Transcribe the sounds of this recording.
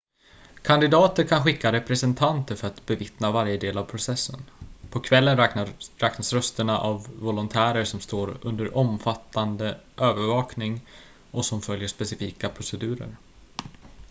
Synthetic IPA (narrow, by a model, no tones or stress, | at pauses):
kʰand̪ɪd̪ɑːt̪əɾkʰanɧɪkːaɾɛpɾɛsɛnt̪ʰant̪əɾfœɾat̪bɛvɪt̪navaɾjəd̪eːlavpʰɾʊsɛsːənpʰɔkʰvɛlːənɾɾɛːknasɾœst̪əɳaʔavːɔlʊnt̪ʰæːɾəɾʂɔmst̪oːɾɵ̰nd̪əɾʔɔmfat̪ːand̪əʔøːvəɾvɑːknɪŋ | ɔsɔmfœljəʂpɛsɪfiːkapʰɾʊsɛd̪ʉ̟ːɾə̰ɾ